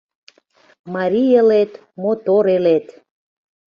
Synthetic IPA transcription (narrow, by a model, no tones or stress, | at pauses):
mɑɾʲijelet̪ | mot̪oɾelet̪